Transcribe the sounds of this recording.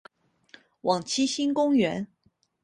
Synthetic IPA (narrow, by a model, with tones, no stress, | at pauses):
wɑ˨˩ŋt͡ɕʰi˥ɕi˥nkʊ˥ŋɥɛ˧˥n